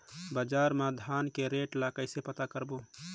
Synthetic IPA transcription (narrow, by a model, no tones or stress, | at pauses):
bəd͡ʒaɾmad̪ʱankeɾeʈlakəɪsepət̪akəɾbu